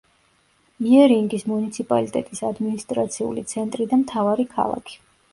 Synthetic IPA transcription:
iɛɾiŋɡismunit̪sʰipʼa̰lit̪ʼɛt̪ʼisad̪minist̪ʼɾat̪sʰiṵlḭt̪sʰɛnt̪ʼɾid̪amt̪ʰavaɾikʰa̰lˠa̰kʰi̥

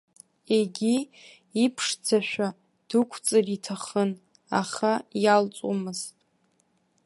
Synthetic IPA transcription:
e̞ɡʲi | ipʰʂd͡zʰaʃᶣa | d̥ukʷʰt͡sʼɨritʰaχən | a̰χajalt͡sʼomɨztʼ

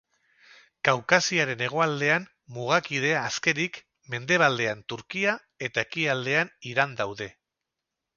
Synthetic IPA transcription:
kawkasiaɾe̞ne̞ɣ̞o̞ald̪e̞am | muɣ̞akið̞e̞aːske̞ɾik | me̞nd̪e̞β̞ald̪e̞ant̪uɾkia | e̞t̪ae̞kiald̪e̞aniɾand̪awðe̞

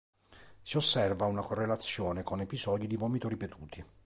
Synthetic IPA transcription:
siosːɛrvaunakorːelat̪sːjɔːnekonepizɔːd̪id̪ivɔːmit̪oɾipet̪uːt̪ʰi

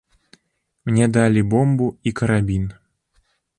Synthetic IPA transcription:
mnʲɛd̪alʲibɔmbuikɐɾabʲin

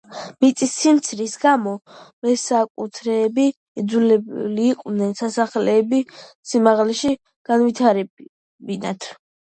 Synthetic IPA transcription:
mit̪sʼisːimt̪sʰɾisɡamɔmɛsakʼut̪ʰɾɛːbi | ɛd̪zulɛliːqʼwvnɛnsasaχlɛːbi | simaʁlɛʃi | ɡ̥anvit̪ʰaɾɛ | binat̪ʰ

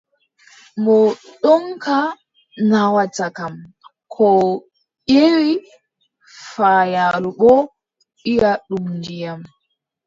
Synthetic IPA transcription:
mɔɗɔŋkʰa | nawatakam | kʰɔ | ʔewi | faːjaluɓɔ | ɗijaɗumnd͡ʒijam

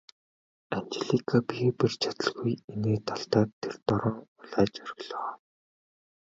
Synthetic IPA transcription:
ant͡ɕeɮikʰapipert͡ɕʰat̪ə̆ɮɣujeneːt̪ʰaɬt̪aːt̪ʰːert̪ɔɾɔːŋʊɮaːt͡ɕœɾ̆ɣɮɔ

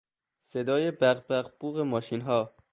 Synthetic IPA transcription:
sed̪ɒːjebæɣbæɣb̥uːɣemɒːʃiːnɦɒː

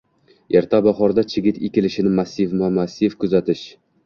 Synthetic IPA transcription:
ʔeɾt̪ʰabaχɒɾd̪at͡ʃʰɪɡʲɪt̪ekʲɪlɪʃɪnɪmasːɪvmamasːɪvkʰʊzat̪ɪʃ

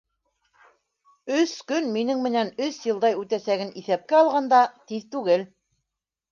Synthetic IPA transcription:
ɵskɵnminɘŋmɘ̆nænɵsjɤ̆lˠd̪ɑjʉt̪æsæɡɘniθæp̚kæɑlˠʁɑnd̪ɑt̪iðt̪ʉɡɘl

